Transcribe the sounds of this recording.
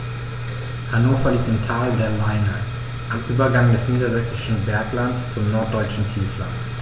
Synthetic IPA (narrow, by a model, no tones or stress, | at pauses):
hanoːfɐliːk̚tɪntʰaːldɛɐlaɪna | ʔamʔyːbɐɡaŋdɛsniːdɐzɛksɪʃn̩bɛɐklant͡st͡sʊmnɔɐt̚d̥ɔʏt͡ʃn̩tʰiːfla̰t